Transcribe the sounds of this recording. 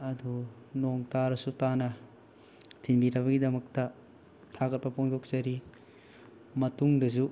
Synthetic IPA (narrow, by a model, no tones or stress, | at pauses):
ɐdu | noŋtaɾɐsutanɐ | tʰinbiɾɐbɐɡidɐmɐk̚tɐ | tʰaɡɐt̚pɐpʰoŋtʰok̚zɐɾi | mɐtuŋdɐzu